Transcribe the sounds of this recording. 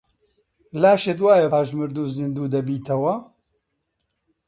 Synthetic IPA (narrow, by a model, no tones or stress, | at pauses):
laːʃet̪waːjɐaːʒmɨɾd̪uːzind̪uːd̪ɐbiːt̪ʰɐwɐ